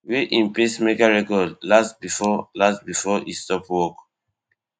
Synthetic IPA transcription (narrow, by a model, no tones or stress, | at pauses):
weʔĩnpesmekaɹɛkɔdlastbifɔlastbifɔistɔpwɔk